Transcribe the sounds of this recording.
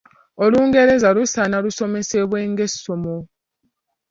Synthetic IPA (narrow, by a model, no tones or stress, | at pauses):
oluːŋɡe̞ɾe̞zalusanaluso̞me̞se̞βwe̞ːŋɡe̞somo